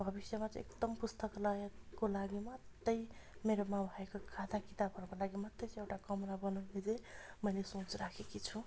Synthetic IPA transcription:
bʱʌbisjʌmat͡sʌ̰̃ḛkd̪ʌmpust̪ʌklakolaɡimʌt̪ːʌjmeɾomãbʱʌekokʰat̪akit̪abʱʌɾʌkolaɡimʌt̪ːʌjt͡sʌ̃ewʈakʌmnabʌnʌwned͡zẽmʌjlesot͡sɾakʰekit͡sʰũ

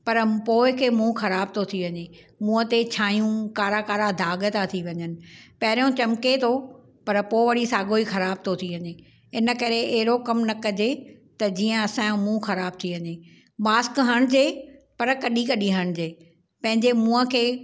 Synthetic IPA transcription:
pɐɾpoːɪkʰeːmũxɐɾaːb̚t̪ʰot̪ʰiʋɐɲe | mũːə̃t̪et͡ɕʰaːjũkaːɾakaːɾad̪ʱaːɠət̪at̪ʰiʋɐɲənɪ̆pɐɦɾjõt͡ɕɐmket̪ʰo | pɐɾpoʋɐɽisaːɠoixɐɾaːb̚t̪ʰot̪ʰiʋɐɲeː | ɪnə̆kɐɾeʔeɦɪɾokɐmnɐkɐd͡ʑet̪ɐd͡ʑiːə̃ɐsãj̃mũːxɐɾaːb̚t̪ʰiʋɐɲeː | maːskɦəɽ̃d͡ʑeːpɐɾkɐɗikɐɗiɦəɽ̃̆d͡ʑeː | pɐ̃ɦɪ̃ɲd͡ʑemũːə̃kʰeː

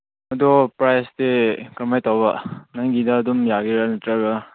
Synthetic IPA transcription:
ɐdɔpɾajstekamajtawbɐnajɡidɐːdumjaɡiɾanatɾaɡa

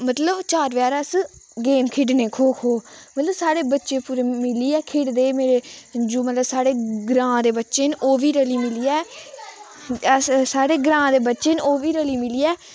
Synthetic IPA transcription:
mət̪ləbt͡ʃaːɾʋjaːɾəsɡeːmkʰɪɖneːkʰoːkʰoːmət̪ləbsaːɽeːbətːʃeːpuːɾeːmɪliːɛːkʰɪɽd̪eːmeːɾeːd͡ʒuːmət̪ləbsaːɽeːɡɾãːd̪eːbətːʃeːnʔoːʋiːɾəliːmɪliːɛː | əssaːɽeːɡɾãːd̪eːbətːʃeːnoːʋiːɾəliːmɪliːɛː

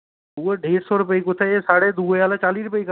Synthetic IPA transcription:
uːeɖʱeːɾsɔɾʊp̬əikot̪ʰeesaːɽed̪uːjaːlat͡ʃaːliːɾʊpəik

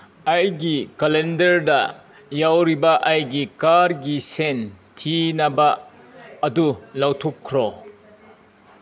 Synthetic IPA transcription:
ɐjɡikɐlendɐɾdɐ | jawɾibɐʔajɡikaɾɡisentʰinɐbɐː | dulawtʰokʰːɾɔ

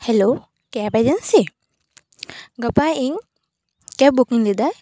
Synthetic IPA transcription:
hɛlo | kɛpad͡ʒənsi | ɡəpaiŋ | kɛbukiŋlid̪aj

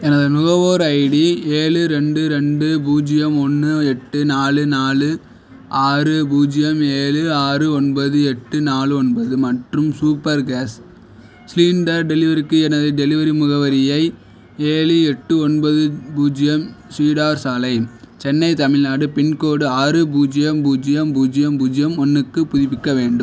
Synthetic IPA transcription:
ɛnɐðɯnʊɣɐʋoːɾɐɪɽieːɭɯɾɛɳɖɯɾɛɳɖɯbuːd͡ʒɪjɐmɔnːɯɛʈːɯnaːlɯnaːlɯ | ʔaːɾɯbuːd͡ʒɪjɐmeːlɯaːɾɯɔɳbɐðɯɛʈːɯnaːlɯɔɳbɐðɯmɐʈrɯmsuːpːɐɾɡaːs | sliːɳɖɐɾɖɛlɪʋɐɾɪkːɯɛnɐðɯɖɛlɪʋɐɾimʊɣɐʋɐɾɪjɐɪ | eːlɯɛʈːɯɔɳbɐðɯbuːd͡ʒɪjɐmsiːɽaːɾsaːlɐɪ | t͡ʃɛnːɐɪt̪ɐmɪlnaːɽɯpɪɳkoːɽɯaːɾɯbuːd͡ʒɪjɐmbuːd͡ʒɪjɐmbuːd͡ʒɪjɐmbuːd͡ʒɪjɐmɔnːɯkːɯpʊðɪpːɪkːɐʋeːɳɖɯm

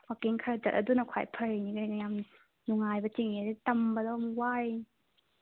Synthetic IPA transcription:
wakiŋkʰaɾad͡ʒɐt̚ɐdunɐkʰa̰jpʰɐɾeniɡajam | nuŋajbɐt͡ʃiŋiditɐmbɐdɔmwaj

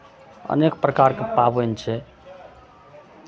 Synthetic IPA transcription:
ə̰nekpɾəkaɾkepabont͡ʃʰɛ

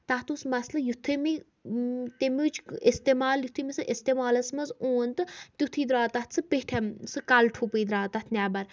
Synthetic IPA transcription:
t̪aɦt̪usmɐslɐjut̪ʰːɨmi | t̪emut͡ʃʰest̪emaːljut̪ʰimisɨʔest̪emaːlɐsmɐzoːnt̪ɨt̪ʲjut̪ʰiːd̪ɾaːt̪at̪t͡sʰɨpeʈʰemsɨkalʈʰupɨjd̪ɾaːt̪at̪ʰnʲaːbɐɾ

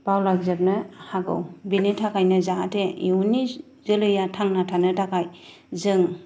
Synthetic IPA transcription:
pawlaɡzap̚nɯhaɡɯ̰wbinetʰakʰajnɐzaɦatʰeiuni | zɯlɯjatʰaŋnatʰanɯtʰakʰaj | zɯŋ

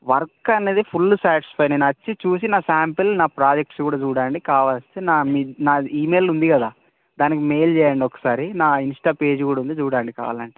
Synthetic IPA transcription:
ʋɐɾkɐneːd̪ipʰulːsaːʈispɐjneːnuɐt͡ʃːit͡ʃuːs̬inaːsaːmpɐlnaːpɾaːd͡ʒek̚ʈskuːɽaːt͡ʃuːɽaːɳɖikaːʋaːlst̪eːnaːminaːiːmeːlund̪ikɐd̪aː | d̪aːnikimeːjlt͡ʃɛːjɐɳɖiɔkːɐ̥saːɾinaːinsʈaːpe̞ːd͡ʒkuːɽaːund̪et͡ʃuːɽaːɳɖika̰ːʋa̰ːlɐɳʈe

